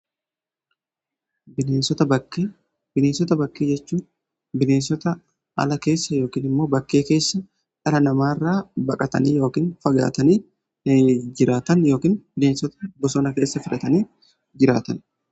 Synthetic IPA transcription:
bɪneːnsɔt̪ɐbɐkːeː | bɪneːnsɔt̪ɐbɐkːeːd͡ʒɛt͡ʃːuː | bɪne̞ːnsɔt̪ɐ | ɐ̰lɐke̞ːsːɐjo̞ːkiːnɪmːo̞ːbɐkːeːke̞ːsːɐ | ʔɐɾɐnɐmaːrːaːbɐkʼɐt̪ɐ̰niːjo̞ːkiːnfɐɡa̰ːt̪ɐniː | d͡ʒɪɾaːt̪ɐnjo̞ːkiːnb̥ɪneːnsɔt̪ɐbɔsoːnɐke̞ːsːɐfɪɾɐt̪ɐniː | d͡ʒɪɾaːt̪ɐn

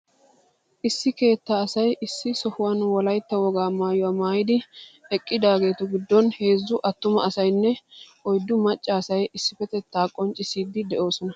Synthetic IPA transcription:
ʔɪsːɪke̞ːt̪ːaːsɐjʔɪsːɪsɔhʊwanwɔlɐjt̪ːɐwɔɡaːmaːjʊwaːmaːjɪd̪ɪɛkʼːɪd̪aːɡe̞ːt̪ʊɡɪd̪ːɔnhe̞ːzːʊʔɐt̪ːʊmɐɐsɐjnːɛ | ɔjd̪ːʊmɐt͡ʃʼːɐːsɐjɪsːɪfɛt̪ɛt̪ːaːkʼːɔnt͡ʃʼːɪsiːd̪ːɪd̪ɛʔo̞ːsɔnɐ

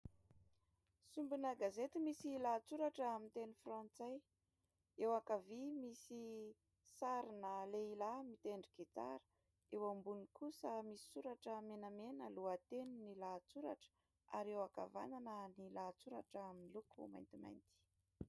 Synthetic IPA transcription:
sumbunəɡazet̪imisilat͡suɾaʈ͡ʂamint̪enifrɑ̃nt͡saj | ewakavimisi | saɾinəleilamit̪eɳɖ͡ʐiɡit͡sa̰ɾə̥ | ewambunikusəmisi̥suɾaʈ͡ʂəmenamenəluat̪eninilat͡suɾa̰ʈ͡ʂə̥ | a̰ɾewaka̰va̰nanənilat͡suɾaʈ͡ʂəaminilukʰṵma̰jnt̪ima̰jnt̪i̥

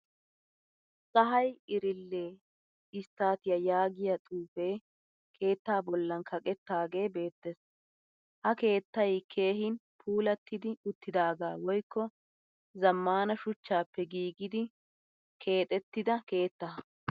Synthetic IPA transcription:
sɐɦɐjɪɾɪlːeː | ɪst̪ːaːt̪ɪjɐjaːɡɪjɐt̪ʼuːfeː | kʰe̞ːt̪ːaːbɔlːɐnkʰɐkʼɛt̪ːaːɡe̞ːbe̞ːt̪ːɛs | hɐke̞ːt̪ːɐjkʰe̞ːɦɪn | pʰuːlɐt̪ːɪd̪ɪʊt̪ːɪd̪aːɡaːwɔjkːɔ | zɐmːaːnɐʃʊt͡ʃːaːpːɛɡiːɡɪd̪ɪ | kʰe̞ːt̪ʼɛt̪ːɪd̪ɐke̞ːt̪ːɐ

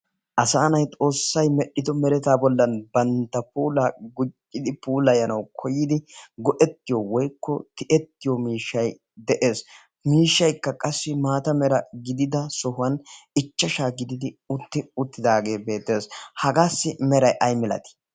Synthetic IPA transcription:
ʔɐsaːnɐjt̪ʼo̞ːsːɐjmɛɗɪd̪ɔmɛɾɛt̪aːbɔlːɐnbɐnt̪ːɐpuːlɐɡʊt͡ʃʼːɪd̪ɪpuːlɐjɐnɐwkʰɔjɪd̪ɪɡɔʔɛt̪ːɪjɔwɔjkːɔt̪ɪʔɛt̪ːɪjɔmiːʃːɐj | d̪ɛʔe̞ːs | miːʃːɐjkːɐkʼɐsːɪmaːt̪ɐmɛɾɐɡɪd̪ɪd̪ɐsɔɦʊɐnɪt͡ʃːɐʃaːɡɪd̪ɪd̪ɪʊt̪ːɪʊt̪ːɪd̪aːɡe̞ːbe̞ːt̪ːe̞ːshɐɡaːsːɪmɛɾɐjʔɐjmɛlɐ̰t̪ɪ̥

